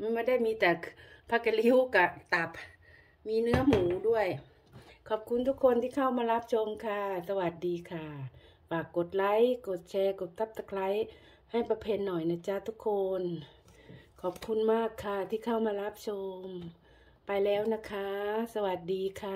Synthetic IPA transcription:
m˧maː˧da˥˩jmiː˧˥t̪ɛː˨˩pʰa˧˥ka˧li˧˥wka˧˩t̪a˨˧˦p̚ | miː˧˥nɯ˧˥ɐmuː˨˦du˥˩əj | kʰɔː˨˩p̚kʰu˧˨nt̪ʰu˦˥kʰo˧nt̪ʰiː˧˩kʰa˧˩wmaː˧la˦˧˥p̚t͡ɕʰo˧mkʰa˧˩sa˧wa˨˩t̪̚diː˨˦kʰa˧˩ | faː˨˩kːo˨˦t̪̚la˧˥jko˨˩t̪̚t͡ɕʰɛː˧ko˨˩t̪ːa˧˥p̚t̪a˧k̚la˧˥j | ha˧˩jpa˧pʰe˧nːɔː˨˩jna˧˩t͡ɕa˧t̪ʰu˦˥kʰːo˧n | kʰɔː˨˩p̚kʰu˧˥nmaː˥˩kʰːa˧˩t̪ʰiː˧˩kʰa˧˥˩wmaː˧la˦˧˥p̚t͡ɕʰo˧m | pa˧jlɛː˧˥˩wna˧˥kʰa˧˩sa˧wa˨˩t̪̚diː˨˧kʰa˧˩

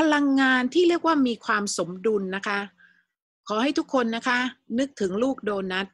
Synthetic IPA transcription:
pʰa˧la˧ŋːaː˧nt̪ʰiː˥˩ɾi˥˩ək̚waː˥˩miː˧kʰwaː˧mso˩˦mdu˧nːa˦˥kʰa˦˥ | kʰɔː˩˦ɦa˥˩jt̪ʰu˦˥kʰːo˧nːa˦˥kʰa˦˥nɯ˦˥k̚t̪ʰɯ˩˦ŋluː˥˩k̚doː˧nːa˦˥t̪̚

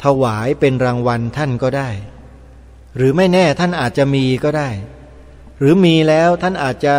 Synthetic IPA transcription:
t̪ʰa˧waː˩˦jpe˧nɾaː˧ŋwa˧nt̪ʰa˥˩nkɔː˥˩daː˥˩j | ɾɯː˩˦ma˥˩jnɛː˥˩t̪ʰa˥˩nʔaː˨˩t̪̚t͡ɕa˨˩miː˧kɔː˥˩daː˥˩j | ɾɯː˩˦miː˧lɛː˦˥wt̪ʰa˥˩nʔaː˨˩t̪̚t͡ɕa˨

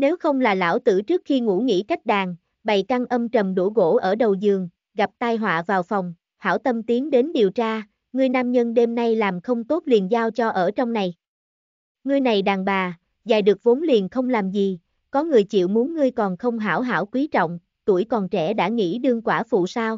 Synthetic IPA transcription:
ne˨˦wxə˧wŋ͡mlaː˨˩la̰ː˧˥˩wt̪ɨ̰˧˩t͡ɕɨ˦˥ək̚xi˧ŋṵ˧˥ŋḭ˧˥ka˦˥jk̟̚ɗaː˨˩ŋ | ɓa̰˧˨jka˧ŋʔə˧mt͡ɕə˨˩mɗṵ˧˥˩ɣo̰˧˥ʔəː˧˩ɗə˨˩wzɨ˨˩əŋ | ɣa˨˩p̚t̪aː˧jɦwa̰ː˧˨vaː˨˩wfɔ˨˩wŋ͡m | ha̰ː˧˥wt̪ə˧mt̪i˨˦əŋɗe˨˦nɗi˨˩əwt͡ɕaː˧ | ŋɨ˧əjnaː˧mɲə˧nɗe˧mna˧jlaː˨˩mxə˧wŋ͡mt̪o˦˥t̚li˨˩ənzaː˧wt͡ɕɔ˧ʔəː˧˩t͡ɕɔ˧wŋ͡mna˨˩j | ŋɨ˧əjna˨˩jɗaː˨˩ŋɓaː˨˩ | zaː˨˩jɗɨ˨˩ək̚vo˨˦nli˨˩ənxə˧wŋ͡mlaː˨˩mzi˨˩ | kɔ˨˦ŋɨ˨˩əjt͡ɕḭ˧˨wmu˨˦nŋːɨ˧əjkɔ˨˩nxə˧wŋ͡mɦa̰ː˧˩wɦa̰ː˧˩wkwi˨˦t͡ɕɔ̰˧˨wŋ͡m | t̪u˧˩əjkɔ˨˩nt͡ɕɛ̰˧˩ɗa̰ː˧˥ŋḭ˧˥ɗɨ˧əŋkwaː˧˩fṵ˧˨saː˧w

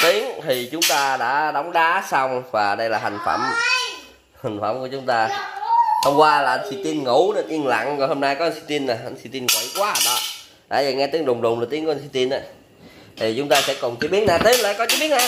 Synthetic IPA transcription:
t̪i˨˦əŋt̪ʰi˨˩t͡ɕʊ˨˦ŋ͡mt̪aː˧ɗa̰ː˧˥ɗɔ˨˦wŋ͡mɗaː˨˦sa˧wŋ͡mvaː˨˩ɗə˧jlaː˨˩ɦa˨˩ŋ̟fə̰˧˩m | ha˨˩ŋ̟fə˧˩mŋ͡mku˧˩ət͡ɕʊ˨˦ŋ͡mt̪aː˧ | h̪ʰə˧wŋ͡mkwaː˧laː˨ʔnsi˧t̪i˧nŋo˧˩˦ɗə˧nʔi˧ənla̰˧˨ŋzo˨˩ho˧mna˧jkɔ˨˦ə˧nsi˧t̪i˧nːa˨˩ə˧nsi˧t̪i˧nŋo̰˧˨jkwaː˧˦˨ɗɔ˨˦ | ɗa̰ː˧˥zaː˨˩ŋɛ˧t̪i˨˦əŋɗʊ˨˩wŋ͡mɗʊ˨˩wŋ͡mlaː˨˩t̪i˨˦ŋku˧˩˦nsi˧t̪i˧nʔa˨˦ | t̪ʰi˨˩t͡ɕʊ˨˦ŋ͡mt̪aː˧sɛ̰˧˥kɔ˨˩nt͡ɕi˨˧˦ɓi˨˦ən̚aː˨˩t̪i˨˦ənla̰ː˧˨˩kɔ˨˦t͡ɕi˧˦˥ɓi˦ənaː˧

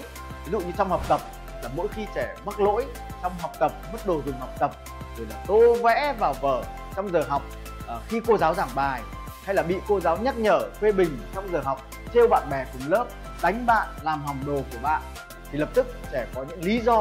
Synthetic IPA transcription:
vi˨˦zṵ˧˨ɲɨ˧t͡ɕɔ˧wŋ͡mha˨˩wk͡p̚t̪ə˨˩p̚ | laː˨˩mo̰˧˥jxi˧t͡ɕɛ˧˩mə˦˥k̚lo̰˧˥j | t͡ɕɔ˧wŋ͡mɦa˨˩wk͡p̚t̪ə˨˩p̚mə˦˥t̚ɗo˨˩zɨ˨˩ŋhɦa˨˩wk͡p̚t̪ə˨˩p̚ | zo˨˩˦jlaː˨˩t̪o˧vɛ̰˧˥vaː˨˩wvəː˧˩ | t͡ɕɔ˧wŋ͡mzəː˨˩ɦa˨˩wk͡p̚ː | xi˧ko˧zaː˨˦wzaː˧˩ŋɓaː˨˩j | ha˧jlaː˨˩ɓḭ˧˨ko˧zaː˨˦wɲa˦˥t̚ɲəː˧˩fwe˧ɓï˨˩ŋ̟t͡ɕɔ˧wŋ͡mzəː˨˩ɦa˨˩wk͡p̚ | t̪ʰe˧wɓa̰ː˧˨nɓɛ˨˩kʊ˨˩ŋ͡mləː˦˥p̚ | ɗa˨˦jŋ̟ɓa̰ː˧˨nlaː˨˩mɦa˨˩wŋ͡mɗo˨˩ku˧˩əɓa̰ː˧˨n | t̪ʰi˨˩lə˨˩p̚t̪ɨ˦˥k̚t͡ɕɛ˧˩kɔ˨˦ɲɨ̰˧˥ŋli˨˦zɔ˧

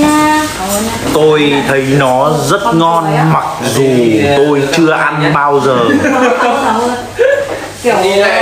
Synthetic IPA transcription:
t̪o˧jt̪ʰə˨˦jnɔ˨˦zə˦˥t̚ŋɔ˧nma˨˩k̚zu˨˩t̪o˧jt͡ɕɨ˧əʔa˧nɓaː˧wzəː˨˩

